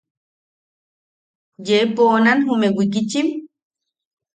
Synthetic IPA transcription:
jeponanɦumewikit͡ʃim

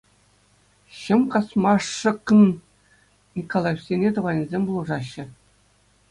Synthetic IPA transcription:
ɕɤ̆mkɑsmɑʂːɤ̆kːɤ̆n | nʲikolˠɑjefsʲenʲet̪ŭʁɑnʲizʲemʲbulˠɤ̆ʐɑɕːɘ̆

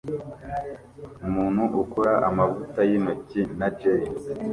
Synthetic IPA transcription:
umuːnhuʔukoɾaʔamavutajinocinad͡ʒei

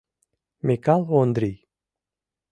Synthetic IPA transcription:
mikalond̪ɾi

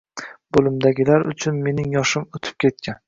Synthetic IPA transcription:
b̥olˠɪmd̪aɡʲɪlaɾʊ̰t͡ʃʰʊnme̞nɪŋjɒʃɪmot̪ʰɪ̥p̚kʲʰe̞t̪̚kʲʰan

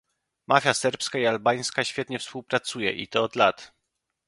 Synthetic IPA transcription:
mʔafʲjasɛɾpskaialbaj̃skaɕfʲjɛt̪ɲɛfspuwpɾat̪sujɛ̰ʔḭt̪ɔːd̪lat̪

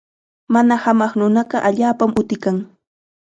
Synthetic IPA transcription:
manahamɑχnʊnɑɢɑʔaʎaːpamʔʊt̪ɪkaŋ

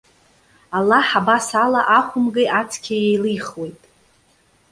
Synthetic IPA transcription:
alaħabasalaʔaχʷʊmɡɨʔat͡sʰkʲʰajejlɨjχwe̞jtʼ

